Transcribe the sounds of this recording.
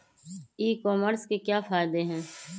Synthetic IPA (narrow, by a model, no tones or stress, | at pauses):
iːkɔːməɾskekjaːfaːɪd̪eɦɛ̃ː